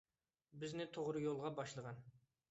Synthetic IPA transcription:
bɪznɪt̪ʰoʁɾɨjolˠʁɑbɑʃlˠəʁɑn

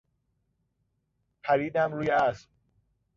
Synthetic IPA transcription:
pʰæɾiːd̪æmɾuːjeæsm

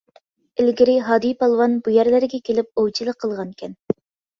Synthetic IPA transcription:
ɪlɡʲɪɾɪɦɑːd̪ijpʰɑlˠwɑnbujɛɾlɪɾɪɡʲɛkʲʰelɪp̚owt͡ʃʰilˠəqʰːəlˠʁɑnkʲʰɛn

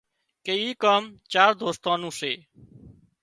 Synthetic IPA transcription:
keiːkaːmt͡ʃaːɾd̪ʱoːst̪ãːnũːseː

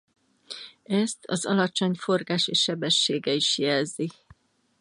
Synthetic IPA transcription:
ɛst̪ʰɒ̰zɒ̰lɒt͡ʃo̞ɲfo̞rɡaːʃeːʃːɛbɛʃːeːɡɛiʃjɛlzi

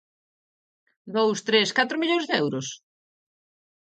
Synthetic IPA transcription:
d̪owst̪ɾeskat̪ɾomiʎoŋzðeɛwɾʊs

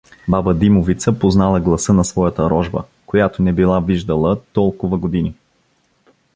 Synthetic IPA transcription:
babəd̪imovit̪səpoznalˠəɡlˠɐsɤnɐsvɔjət̪əɾɔʒbə̰ | kojat̪onɛbilˠaviʒd̪əlˠət̪ɔlˠkʊvəɡod̪ini

